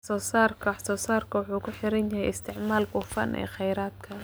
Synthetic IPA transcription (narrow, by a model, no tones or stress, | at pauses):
sɔːsaːrkʰɐwħsɔːsaːrkʰɐwɑħuːkʰʊħɪɾɐnjɐhɛjɪst̪ʰɪʕmaːlbʊfɐ̰nʔɛ̰ːχɛjɾaːd̪̚kʰɐ